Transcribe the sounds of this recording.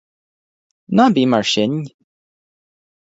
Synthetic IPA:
nabimaɹʃɪn

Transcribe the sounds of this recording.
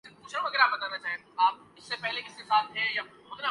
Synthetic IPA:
ɪkuːʃɛ̃ʋɐɡəɾaːpɐt̪əɾɐd͡ʒaːẽt̪aːp̚ | ɪsːepɛɦlekɪskesaːt̪ɦɛ̃ja | ʊt̪ɾa

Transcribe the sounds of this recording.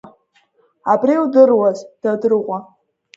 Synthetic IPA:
abriwdɨrwazd̥adɨrʁʷʼa

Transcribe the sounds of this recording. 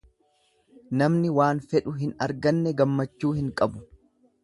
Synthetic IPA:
nɐmnɪwaːnfɛᶑʊɦɪnɐɾɡɐnːɛɡɐmːɐt͡ʃːuːhɪŋkʼɐbʊ

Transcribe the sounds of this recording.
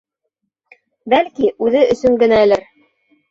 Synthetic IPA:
bælkiʔʉðɘʔɵ̆sɵŋɡɘ̆næ̆lɘɾ

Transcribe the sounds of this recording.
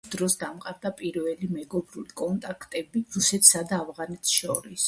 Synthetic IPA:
d̪ɾɔsd̪amqʼaɾd̪apʼiɾvɛlimɛɡɔbɾulikʼɔnt̪ʼakʰt̪ʼɛbiɾusɛt̪ʰsad̪aːvʁanɛt̪ʰsʃɔɾis

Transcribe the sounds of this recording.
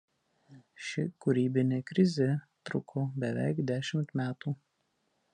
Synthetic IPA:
ʃʲɪkʊɾʲiːbʲɪnʲeːkɾʲɪzʲɛ | t̪ɾʊkʰoːbʲɛʋʲɛ̰ɪkd̪ʲæːʃʲɪmt̪mʲæːt̪uː

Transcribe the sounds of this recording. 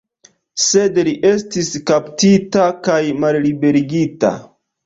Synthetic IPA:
se̞dliʔe̞stiskaptitakajmallibe̞ɾiɡita̰

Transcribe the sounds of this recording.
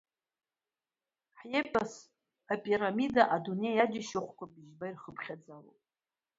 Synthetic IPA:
ħjepʼas | apʼiɾamidaʔadunejad͡ʒɪʃɪχʷkʷabiʒbairχəpʰχʲad͡zalo̰pʼ

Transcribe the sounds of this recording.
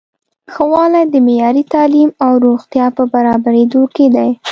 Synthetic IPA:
xəwɑlajd̪əmejɑɾit̪ɑlimawɾoxt̪jɑpəbaɾɑbaɾed̪oked̪aj

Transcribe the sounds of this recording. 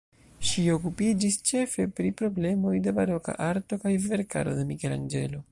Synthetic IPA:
ʃio̞kupid͡ʒist͡ʃe̞fe̞pɾipɾo̞ble̞mo̞jde̞baɾo̞ka̰ʔaɾto̞kajve̞ɾka̰ɾo̞̰de̞mike̞la̰nd͡ʒe̞̰lo̞

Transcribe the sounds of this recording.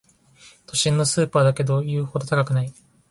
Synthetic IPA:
t̪ʰo̞ɕĩnːo̞sɨːpaːd̪ake̞d̪o̞jɯ̟ːho̞d̪o̞t̪akakɯ̟nai

